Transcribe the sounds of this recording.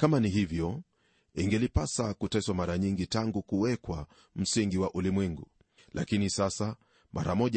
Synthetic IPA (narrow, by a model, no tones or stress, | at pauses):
kamaniɦivjɔ | iŋɡɛlipasakutɛswamaɾaɲiŋɡitaŋɡukuwɛkwa | m̩siŋɡiwaʔulimwɛŋɡu | lʔa̰kinisasa | mʔaɾamɔʄ